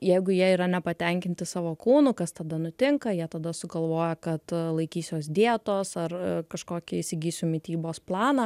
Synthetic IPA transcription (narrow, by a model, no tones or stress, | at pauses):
jɛɪɡʊjiɛiːɾɐnʲɛpɐt̪ʲɛŋʲkʲɪnʲt̪ʲɪsɑːʋoːkuːnʊkɐst̪ɐd̪ɐnʊt̪ʲɪŋkɐjiɛt̪ɐd̪ɐsʊɡɐlˠʋoːjɛkɐt̪lˠɐɪkʲiːsʲoːsd̪ʲiɛt̪oːsɐrkɐʃkoːkʲɪɪsʲɪɡʲiːsʲʊmʲɪt̪ʲiːboːsplˠɑːnɑ